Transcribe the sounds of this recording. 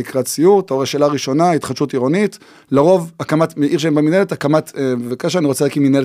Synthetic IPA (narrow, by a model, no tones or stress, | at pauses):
ikʁat͡sijuʁt̪aoʁaʃelaʁiʃo̞nait̪χaʃutiʁonit | laʁo̞vakamatmeʔiʁʃ̬eembemineletakamatebevakaʃaaniʁo̞t͡selaːkiminele